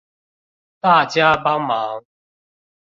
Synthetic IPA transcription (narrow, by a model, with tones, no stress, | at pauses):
t̪a˥˨t͡ɕja˦ba˦ŋma˨˦ŋ